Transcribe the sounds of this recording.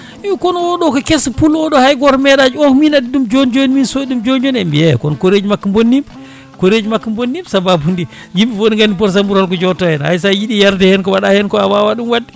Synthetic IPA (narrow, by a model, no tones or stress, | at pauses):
ikɔnwɔɗɔkɔkɛspulɔɗɔhajɡɔɾmɛɗad͡ʒuɔhminadiɗumd͡ʒond͡ʒoniminsoiɗumd͡ʒond͡ʒonɛmbijɛkɔnkoɾed͡ʒimakːambonːim | koɾed͡ʒimakːambonːimsababundi | jimbifoiŋɡanipɔɾs̬ambuɾhalk̬ɔd͡ʒɔtɔjɛnha̰js̬ajiɗijaɾdɛhɛnkɔwaɗahɛnkɔawawaɗumwadːi